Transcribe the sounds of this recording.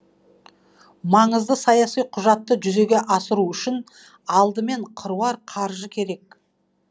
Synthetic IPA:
mɑɴəzd̪əsɑjɑsijqʰʊʒɑt̪ːəʒʏze̞ɡʲe̞ʔɑsəɾuʏʃɪn | ɑlˠd̪əme̞ɴqʰəɾuɑɾqʰɑɾʒəkʲʰe̞ɾe̞k

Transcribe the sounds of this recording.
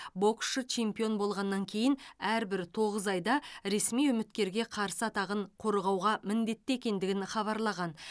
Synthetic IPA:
bo̞ksʃət͡ʃʰe̞mpijo̞nbo̞lˠʁɑnːɑŋkʲʰe̞jɪnæɾbɪɾt̪ʰo̞ʁəzɑjd̪ɑɾe̞smijʊmɪt̪kʲe̞ɾɡʲe̞qʰɑɾsəɑt̪ɑʁəɴqʰo̞ɾʁɑwʁɑmɪnd̪e̞t̪ːɪe̞kʲe̞nd̪ɪɡʲɪnχɑβɑɾlˠɑʁɑn

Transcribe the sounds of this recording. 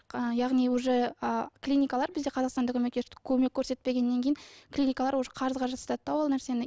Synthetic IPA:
əjɑʁnijwoʒəəklʲinʲikalˠɑɾbɪzd̪e̞qʰɑzɑqst̪ɑnd̪akʲʰɵmek̪ʲːekʲʰɵme̞kʲʰːɵɾse̞t̪̚pe̞ɡʲe̞nːeŋʲkʲe̞jɪŋklʲinʲijkalˠɑɾwosə̥qʰɑɾəzʁɑʒɑt̪st̪ɑt̪ːɑwolˠnæɾse̞nɪ

